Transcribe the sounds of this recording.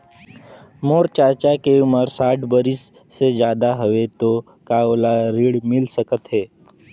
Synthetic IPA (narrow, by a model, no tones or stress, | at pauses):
moːɾt͡ʃaːt͡ʃakeʊməɾsaːʈʰbəɾɪsː | ed͡ʒjaːd̪aɦəʋet̪o | kaːolaɾiːɽmɪlsəkət̪ɦɛː